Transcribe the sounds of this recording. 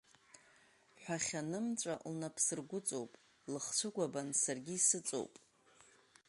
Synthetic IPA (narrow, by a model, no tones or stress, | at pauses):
ħʷᶣaχʲanɨmt͡ʃʷʼa̰lnapʰsɨrɡʷʊt͡sʼowpʼ | lɨχt͡ɕʷʰɨɡʷabansarɡʲiːsɨt͡sʼo̰wpʼ